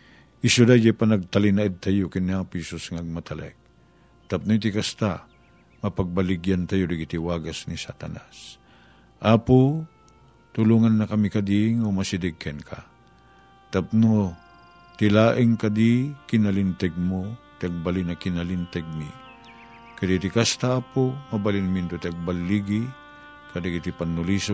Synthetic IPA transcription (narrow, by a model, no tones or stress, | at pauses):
ʔɪsʊd̪ajd͡ʒapanɐɡ̚t̪ɐlɪnaɪd̪̚t̪ajokɪnːaŋpiːsosŋaɐɡ̚mat̪alɛ̰k̚ | t̪ɐp̚not̪ɪkast̪a | mɐpaɡ̚balɪɡjant̪ajod̪ɪɡit̪ɪwaːɡasnisat̪anas | ʔaːpo | t̪ʊluŋanːɐkɐmikad̪iŋomasɪd̪ɪɡkɛnkʰa̰ | t̪ap̚no | t̪ɪlaːʔɪŋkad̪ikɪnalɪnt̪ɛɡ̚mot̪ɪaɡ̚balɪnakɪnalint̪ɛɡ̚mi | kad̪it̪ɪkast̪aaːpomɐbalɪnmint̪ot̪aɡ̚balːiɡi | kad̪iɡit̪ipanːʊlis